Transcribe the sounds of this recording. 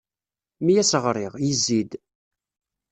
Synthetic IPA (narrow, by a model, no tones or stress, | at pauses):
mijæsəʁɾˤiʁjəzːid̪